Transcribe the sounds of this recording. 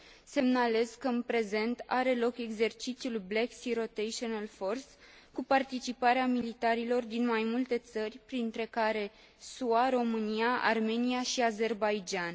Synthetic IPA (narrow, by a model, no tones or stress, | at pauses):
se̞mnale̞zkəɨnpɾe̞ze̞nt̪aɾe̞lo̞ke̞ɡze̞rt͡ʃit̪sijulbleksiɾo̞t̪ejʃonalfo̞rs | kupart̪it͡ʃipaɾeamilit̪aɾilo̞rd̪inmajmult̪e̞t̪sərʲpɾint̪ɾe̞kaɾe̞ | suaɾo̞mɨniaʔa̰rme̞niaʃiaze̞rbajd͡ʒan